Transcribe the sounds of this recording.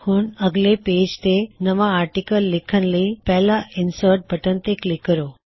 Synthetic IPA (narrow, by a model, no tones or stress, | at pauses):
huːnəɡleped͡ʑt̪enəʋaːɾʈikəlːikʰənlipɛlainsəɾʈ̚bʱəʈənt̪eklikːəɾo